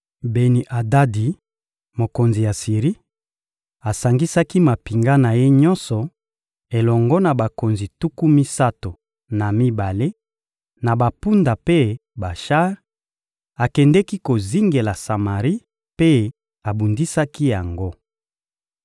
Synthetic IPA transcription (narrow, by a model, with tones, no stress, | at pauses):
be˨ni˨ʔa˨da˦di˨ | mo˨ko˨nzi˨ja˨si˨ʁi˦ | a˨sa˨ŋɡi˦sa˦ki˦ma˨pi˨ŋɡa˦na˨je˦ɲɔ˦nsɔ˨ | e˨lɔ˨ŋɡɔ˦na˨ba˨ko˨nzi˨tu˦ku˦mi˦sa˦to˨ | na˨mi˦ba˨le˦ | na˨ba˨pu˦nda˨pe˦ba˨ʃa˦ʁ | a˨kɛ˨ndɛ˦ki˦ko˨zi˦ŋɡe˨la˨sa˨ma˨ʁi˦ | pe˦ | a˨bu˨ndi˦sa˦ki˦ja˨ŋɡo˦